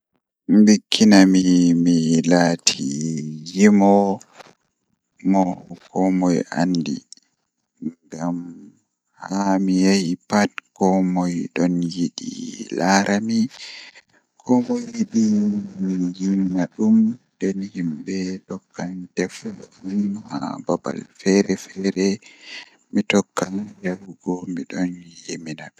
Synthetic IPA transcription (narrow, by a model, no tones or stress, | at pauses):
mbikʰːinamimilaːtʰijimɔ | mɔkʰɔmɔja̰ndḭ | ŋɡam | hamijajipat̚kɔmɔjɗɔnjiɗḭlaɾʔami | kʰɔmɔjiɗimijiminaɗum | dɛnhimbɛɗɔkːantɛflɔʔunha̰baba̰lfɛɾɛfɛɾɛ | mitɔkːanjawuɡɔmiɗɔnjeminaɗ